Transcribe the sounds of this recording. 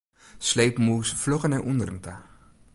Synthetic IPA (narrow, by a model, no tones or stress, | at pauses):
slejpmuːsflɔχənɛʔundəɾənta